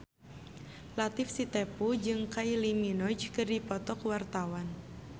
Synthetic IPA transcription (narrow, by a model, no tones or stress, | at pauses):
lat̪ɪfsit̪ɛpud͡ʒɨŋkailiminɔd͡ʒkɨrdipɔt̪ɔkwart̪awan